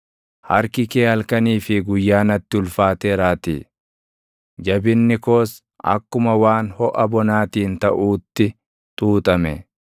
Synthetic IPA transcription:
hɐɾkɪkeːhɐlkɐniːfɪɡʊjːaːnɐt̪ːɪʊlfaːt̪eːɾaːt̪ḭː | d͡ʒɐbɪnːɪko̞ːs | ɐ̰kːʊmɐwaːnhɔʔɐbɔnaːt̪iːnt̪ɐʔuːt̪ːɪ | t̪ʼuːt̪ʼɐmɛ

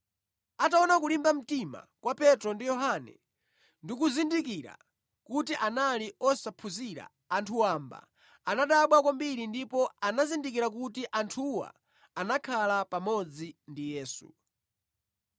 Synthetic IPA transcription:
ataɔnakulimbam̩tima̰kwapɛtɾɔndijɔɦanɛ̰ | ndikuzindikiɾa̰ | kutiʔanaliɔsapʰuziɾa̰ːntʰuwamba̰ | anaɗaɓwakwambiɾindipɔanazindik̬iɾakutiʔantʰuwa̰ː | nakʰalapamɔd͡zindijɛːsṵ

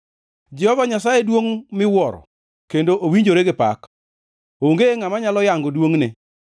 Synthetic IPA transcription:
d͡ʒɛhɔvaɲasajedwoŋmɪwɔɾɔ̰ | kendoʔowiɲd͡ʒoɾeɡɪpa̰k | oŋɡeŋamaɲalɔjaŋɡodwoŋnɪ

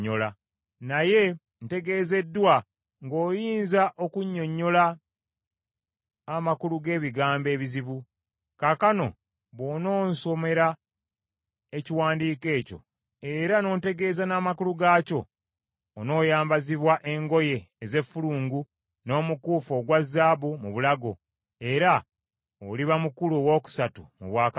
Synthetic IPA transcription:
ola | naje̞ | n̩te̞ɡe̞ːze̞dːwa | ŋɡo̞ːjiːnzaʔo̞kuɲːo̞ɲːo̞la | makuluɡe̞ːβiɡaːmbe̞ːβiziβu | kakano̞̰ | βo̞no̞ːnso̞me̞ɾa | eciwaːndiːke̞ːco̞̰ | e̞ɾano̞ːnte̞ɡe̞ːzanaːmakuluɡaːco̞ː | no̞ːjaːmbaziβwaʔe̞ŋɡo̞je̞ːze̞fːuluːŋɡu | no̞ːmukuːfo̞ɡwazːaːβumuβulaɡo̞ | e̞ɾa | oliβamukuluowo̞ːku̥satumuβwaːka

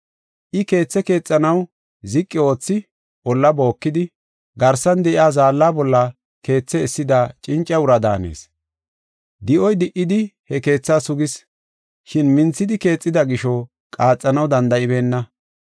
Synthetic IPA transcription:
ʔɪke̞ːt͡sːɛke̞ːt͡sʼːɐnɐw | zɪkʼːɪo̞ːt͡sːɪ | ɔlːɐbo̞ːkːɪd̪ɪ | ɡɐɾsɐnd̪ɛʔɪaːzaːlːaːbɔlːɐ | ke̞ːt͡sːɛɛsːɪd̪ɐt͡ʃʼɪnt͡ʃʼːɛʊɾɐd̪a̰ːnḛːs | d̪ɪʔɔjd̪ɪʔːɪd̪ɪhɛke̞ːt͡sːaːsʊɡɪs | ʃɪnmɪnt͡sːɪd̪ɪke̞ːt͡sʼːɪd̪ɐɡɪʃɔ | kʼaːt͡sʼːɐnɐwd̪ɐnd̪ɐɪbe̞ːnːɐ

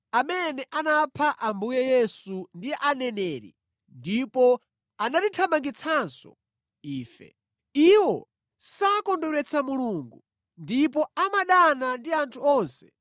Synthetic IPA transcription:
amɛnɛʔanapʰaʔambujɛjɛsundiʔanɛnɛːɾḭ | ndipɔ | anatitʰamaŋɡit͡sʰansɔ̰ | iːfɛ̰ | iwɔ | sakɔndɔɾɛt͡sʰamuluːŋɡu | ndipɔamaɗanandiantʰuɔːnsɛ̥

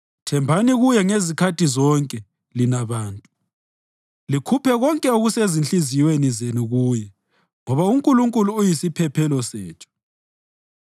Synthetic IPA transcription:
tʰɛmbʱaniɣujɛŋezikʰatʰʼizɔŋkʼɛ | linaβaːntʼu | likʰupʰɛɣɔŋkʼɛoɣusezint͡ɬʼizijwenizenuɣuːjɛ | ŋɔβauŋkʼuluŋkʼuluːjisipʰɛpʰɛlɔsɛ̰ːt͡ʃʰɔ̥

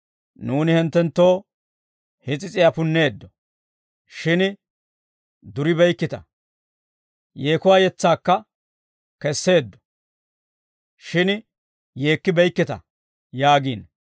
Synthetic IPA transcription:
nuːnɪhɪnt̪ːɛnt̪ːo̞ː | hɪt͡sʼɪt͡sʼɪjapʊnːe̞ːd̪ːɔ | ʃɪn | d̪ʊɾɪbɛjkːɪt̪ɐ | jeːkʊwaːjɛt͡sːaːkːɐ | kɛsːe̞ːd̪ːɔ̥ | ʃɪn | je̞ːkːɪbɛjkːɪt̪ɐ̰ | jaːɡiːn

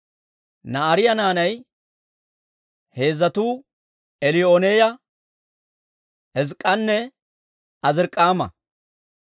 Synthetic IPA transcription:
nɐɐɾɪjɐnaːnɐj | he̞ːzːɐt̪uː | ɛlɪoneːjɐ | hɛzkʼɐnːɛ | ɐzɪɾkʼːaːmɐ̰

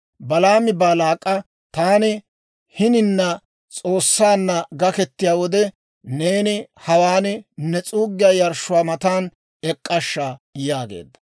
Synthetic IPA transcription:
bɐlaːmɪbaːlaːkʼːɐ | t̪aːnɪ | hɪnɪnːɐ | t͡sʼo̞ːsːaːnːɐɡɐkɛt̪ːɪjaːwɔd̪ɛ | ne̞ːnɪhɐwaːnɪnɛt͡sʼuːɡːɪjaːjɐɾʃʊwaːmɐt̪aːn | ɛkʼːɐʃːaːjaːɡḛːd̪ːɐ̥

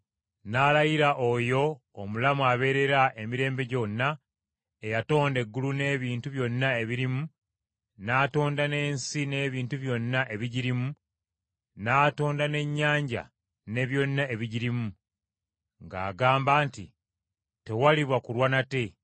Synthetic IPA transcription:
nalajiɾaʔojo̞ː | mulamuaβe̞ɾe̞ɾaʔe̞miɾe̞ːmbe̞ɟo̞nːa | e̞jato̞ːnde̞ɡːulune̞ːβiːntuβjo̞nːae̞βiɾimu | naːto̞ːndane̞ːnsine̞ːβiːntuβjo̞nːaʔe̞βiɟiɾimu | naːto̞ːndane̞ɲːaːɲɟa̰ | ne̞βjo̞nːae̞βiɟiɾimu | ŋɡa̰ːɡaːmbaːntḭ | te̞waliβwakulwanate̞

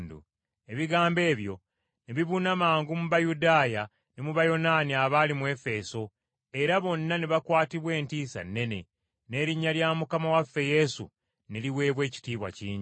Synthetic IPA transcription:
ndṵ | e̞βiɡaːmbe̞ːβjo̞ | neβiβunamaːŋɡumuβajudaːja | nemuβajo̞naːniaβaːlimuwe̞fe̞so̞ | e̞ɾaβo̞nːaneβakwaːtiβwe̞ːntiːsa̰nːe̞ne̞ | ne̞ːɾiɲːaljaːmukamawafːe̞je̞sṵ | neliwe̞ːβwe̞ːci̥tiːβwa̰ciːɲ

